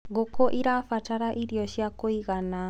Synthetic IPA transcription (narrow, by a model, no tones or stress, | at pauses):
ɣokoʔiɾafataɾaʔiɾiɔɕjakoiɣana